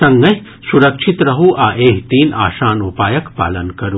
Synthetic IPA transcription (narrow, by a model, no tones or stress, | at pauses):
ɐŋɡɐɦ | suɾɐkʂʰit̪ɾɐɦuʔaːʔeːɦt̪iːna̰ːʃaːnupaːjɐkpa̰ːlɐnkɐɾu